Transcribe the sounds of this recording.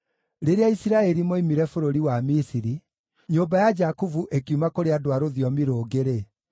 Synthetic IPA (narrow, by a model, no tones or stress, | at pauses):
ɾeɾeaisiɾaɛɾimoimiɾɛfoɾoɾiwamisiɾi | ɲoːbajad͡ʒakuvuʔekiumakoɾeadowaɾoðiɔmiɾoːɡeɾe